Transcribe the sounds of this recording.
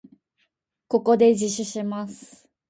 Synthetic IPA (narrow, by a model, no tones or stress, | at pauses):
ko̞ko̞d̪e̞d͡ʑiɕiɕimasɨ̥